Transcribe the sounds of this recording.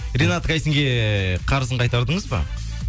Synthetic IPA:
ɾʲenat̪kʰɑjsɪŋɡʲe̞qʰɑɾəz̬əɴqʰɑjt̪ɑɾd̪əɴəzbɑ̰

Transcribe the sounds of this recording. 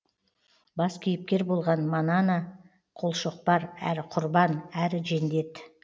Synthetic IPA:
bɑskʲʰijɪp̚kʲe̞ɾbo̞lˠʁɑnmɑnɑnɑ | qʰolˠʃoq̚pɑɾæ̰ɾɪqʰʊɾbɑnæɾɪʒe̞nd̪e̞t̪

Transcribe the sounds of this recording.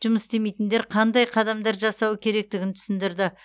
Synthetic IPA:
ʒ̥ʊməsd̪e̞me̞jt̪ɪnd̪eɾqʰɑnd̪ɑjqʰɑd̪ɑmd̪ɑɾʒɑsɑwəkʲʰe̞ɾe̞k̚t̪ɪɡʲɪnt̪ʰʏ̥sɪnd̪ɪɾd̪ɪ

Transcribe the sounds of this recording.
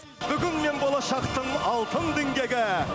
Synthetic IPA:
bʏɡʲɪnme̞nbolˠɑʃɑqt̪əɴɑlˠt̪əɴd̪eŋɡʲe̞ɡʲɪ

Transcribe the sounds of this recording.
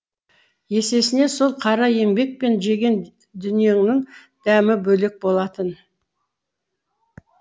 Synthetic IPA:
je̞se̞sɪne̞so̞lˠqʰɑɾɑje̞ŋbe̞k̚pe̞nʒe̞ɡʲe̞n | d̪ʏnije̞ŋnɪŋ | d̪̥æmɪbɵle̞k̚bo̞lˠɑt̪ən

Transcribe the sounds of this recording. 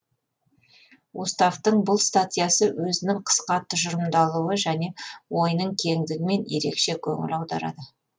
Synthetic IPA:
wust̪aft̪əɴbʊlˠst̪at̪ʲijasəwɵzɪnɪŋqʰə̥sqɑt̪ʰːʊʒʊɾəmd̪ɑlˠuwəʒæne̞wo̞jnəɴkʲʰe̞ŋd̪ɪɡʲɪme̞nje̞̰ɾe̞̰kʃe̞kʲʰɵ̰ŋɪ̰lɑwd̪ɑ̰ɾɑ̰d̪ə

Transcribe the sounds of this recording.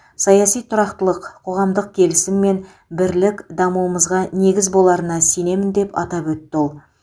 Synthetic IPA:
sɑjɑsijt̪ʰʊɾɑqt̪əlˠəqqʰːo̞ʁɑmd̪əq̚kʲʰe̞lɪsɪmːe̞n | bɪɾlɪkd̪ɑmuwəməzʁɑne̞ɡʲɪzbo̞lˠɑɾənɑsene̞mɪnd̪e̞pɑ̰t̪ɑpwɵt̪ːɪolˠ

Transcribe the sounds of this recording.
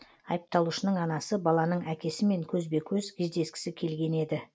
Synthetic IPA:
ɑjəp̚t̪ɑlˠuʃənəɴɑnɑsəbɑlˠɑnəɴækʲe̞sɪme̞ŋkʲʰɵzbe̞kʲʰɵzkʲʰezd̪e̞skʲɪ̥sɪkʲʰe̞lɡʲe̞ne̞d̪ɪ

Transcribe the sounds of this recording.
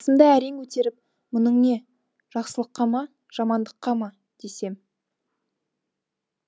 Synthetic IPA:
sənd̪ɑæɾeŋkʰɵt̪e̞ɾɪp̚ | mʊnəɴne̞ | ʒ̥ɑqsəlˠəqːɑmɑ | ʒ̥ɑmɑnd̪əqːɑmɑ | d̪̥ese̞m

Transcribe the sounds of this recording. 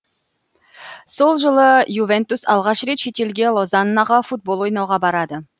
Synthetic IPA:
so̞lˠʒəlˠəjuvent̪usɑlˠʁɑʃɾe̞t̪ʃet̪e̞lɡʲe̞lˠozɑnnɑʁəfut̪̚bo̞lˠojnɑwʁɑbɑɾɑd̪ə

